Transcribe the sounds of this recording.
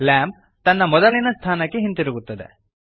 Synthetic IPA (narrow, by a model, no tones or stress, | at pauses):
laːm | t̪ɐnːɐmɔd̪ɐlinɐst̪ʰaːnɐkːeɦint̪iɾuɡut̪ːɐd̪ḛ